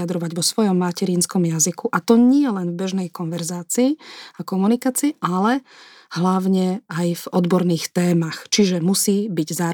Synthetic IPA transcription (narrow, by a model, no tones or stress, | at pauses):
ad̪ɾɔʋaɟʋɔsʋɔjɔmːacɛɾiːnskɔmjazikuʔat̪ɔɲɪɛlɛnvbɛʒnɛjkɔnʋɛɾzaːt͡siːakɔmunikaːt͡siːʔalɛ | hlaʊɲɛajvɔd̪bɔɾniːxt̪ɛːmaxt͡ʃiʒɛmusiːbiɟzaː